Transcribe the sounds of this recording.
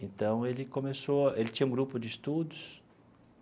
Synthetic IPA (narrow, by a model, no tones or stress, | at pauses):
ẽnt̪ɐ̃w̃elɪkõmesoɐʔelɪt͡ʃĩɲɐũɡɾupʊd͡ʒɪist̪ud̪ʊs